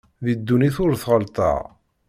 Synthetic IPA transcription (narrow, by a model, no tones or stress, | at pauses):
ðid̪ːuniθʊɾθʁəlt̪ˤɑ̰ʁ